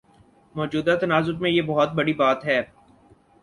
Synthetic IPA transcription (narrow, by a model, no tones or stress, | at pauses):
mɔːd͡ʒuːd̪at̪ɐnaːzʊɾmẽjeːbɐɦɔt̪̚bɐɽibaːt̪ɦɛː